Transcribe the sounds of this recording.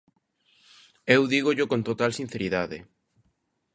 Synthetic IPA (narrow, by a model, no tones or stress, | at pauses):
ewðiɣ̞oʎokont̪ot̪alsin̟θeɾiðaðḛ